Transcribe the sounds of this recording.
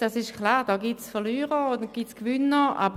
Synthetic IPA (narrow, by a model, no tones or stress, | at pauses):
d̥asɪʃkʰlaːʁd̥ɔːɡitsfəlyːʁəod̪əɡ̥itskʋʏnəa̰b